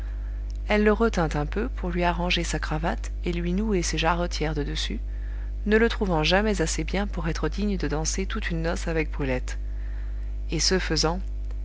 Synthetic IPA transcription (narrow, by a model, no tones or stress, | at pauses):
ɛlːəʁət̪ɛ̃t̪ɛ̃pøpʰuʁlɥiaʁɑ̃ʒesakχavat̪ | elɥinueseʒaʁɔt̪jɛʁd̪əd̪əsy | nələt̪χuvɑ̃ʒamɛzasebjɛ̃puʁɛt̪χəd̪iɲd̪əd̪ɑ̃set̪ut̪ynːɔsavɛk̚bʁylɛt̪ | esəfəzɑ̃